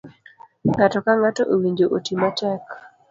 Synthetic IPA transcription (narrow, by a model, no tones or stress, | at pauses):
ŋatɔkaŋatoʔowiɲd͡ʒoʔotimatɛk